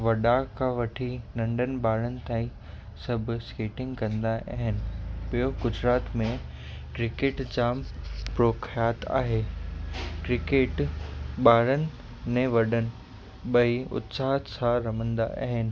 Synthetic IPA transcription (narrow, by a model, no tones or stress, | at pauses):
ʋɐɗakʰãʋɐʈʰinɐ̃ɳɖənɪ̆ɓaːɾənɪ̆t̪ãːĩ | sɐbʱɪ̆skeːʈɪ̃ŋɡkɐ̃nd̪aʔa̰ɦɪnɪ̆ɓijoɡʊd͡ʑɾaːt̪mẽ | kɾɪkeːʈd͡ʑaːmpɾoːkʰjaːt̪a̰ːɦeː | kɾɪkeːʈɓaːɾənɪ̆ | mẽʋɐɗənɪ̆ | ɓɐiʊ̰t̪saːɦət̪sãɾɐm̤ə̃nd̪a̰ʔa̰ːɦɪnɪ̆